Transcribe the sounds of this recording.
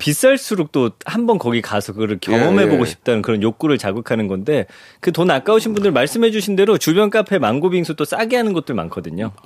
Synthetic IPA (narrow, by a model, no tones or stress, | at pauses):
pis͈eɭs͈ʰuɾok̚t͈ohambʌnkʌɡikasʰʌkɯɡʌɾɯɭkjʌŋʌmɦe̞boɡoɕʰi̥p̚t͈anɯnkɯɾʌnjok̚k͈uɾɯɭt͡ɕaɡɯkʰanɯnɡʌnde̞ | kɯtonak͈auɕʰinbundɯɭmaɭs͈ɯmɦe̞d͡ʑuɕʰinde̞ɾot͡ɕubjʌnk͈apʰe̞maŋɡobiŋsʰut͈os͈aɡiɦanɯnɡʌt̚t͈ɯɭma̰nkʰʌdɯɲo